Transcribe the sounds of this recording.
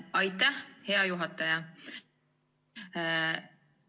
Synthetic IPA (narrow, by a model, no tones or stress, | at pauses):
ɑjt̪ːɑheɑjuɦɑt̪ːɑjɑ